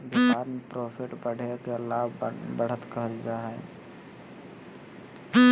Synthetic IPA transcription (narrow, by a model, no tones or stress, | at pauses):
bikaɾmepɾopʰeʈbəɽ̤ekelabbəɽ̤ət̪kəɦəld͡ʒaɦɛ